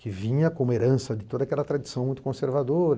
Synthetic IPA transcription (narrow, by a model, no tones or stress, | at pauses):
kɪvĩɲɐkõmeɾɐ̃sɐd̪ɪt̪od̪ɐakɛlɐt̪ɾad̪isɐ̃w̃mũj̃t̪ʊ̥kõseɾvad̪oɾ